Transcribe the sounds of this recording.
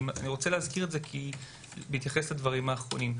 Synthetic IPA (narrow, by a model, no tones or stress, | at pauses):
ma̰niʁo̞t͡seleɦazkiʁetzekʰi | beit̪jaχesladvaʁimhaːχʁo̞̰nim